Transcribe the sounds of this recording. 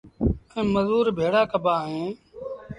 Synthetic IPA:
ə̃məzuːɾbʱeːɽaːkəbʱaːɦẽː

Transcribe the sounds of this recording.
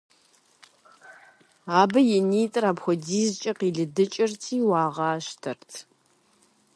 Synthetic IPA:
aːbɐjɛniːtʼraːbxʷɔdiːzt͡ʃʼɐqiːɮɨdɨt͡ʃʼɪrtʰiːwɑːʁɑːʃtʰɐrtʰ

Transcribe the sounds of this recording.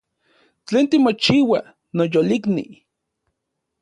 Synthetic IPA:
t͡ɬeːnt̪imot͡ʃiwa | nojoliknḭ

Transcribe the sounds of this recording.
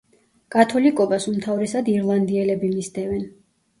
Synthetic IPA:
kʼat̪ʰɔlikʼɔbasumt̪ʰavɾɛsad̪iɾlˠand̪iɛlɛbimist̪ʰʼɛvɛn

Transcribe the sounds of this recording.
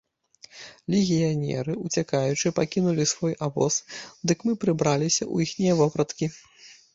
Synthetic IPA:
lʲɛɣʲijanʲɛ̰ɾɨut͡sʲakajut͡ʂɨpakʲinulʲisvɔjʔavɔ̰sd̪ɨkmɨpɾɨbɾalʲisʲɐʔṵjixnʲijɐvɔpɾɐt̪kʲi

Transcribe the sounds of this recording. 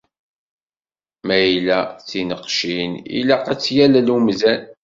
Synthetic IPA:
mæjlæt͡sːinəqʃinḭlæqæt͡sːjællumzæn

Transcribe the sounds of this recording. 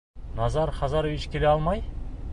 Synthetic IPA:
nɑzɑɾχɑzɑɾovit͡ʃkʲʰe̞leɑlˠmɑj

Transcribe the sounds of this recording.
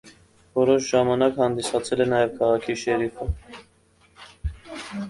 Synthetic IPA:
vɔɾɔʃʒɑmɑnɑkhɑnd̪isɑt͡sʰɛlɛnɑjɛvkʰɑʁɑkʰiʃɛɾifʰə

